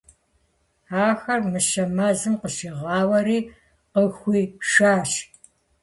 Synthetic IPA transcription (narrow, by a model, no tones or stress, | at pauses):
aːxɐrmɨʃɐmɐzɨmqəʃiːʁɑːwɐɾiː | qəxʷiːʃaːɕ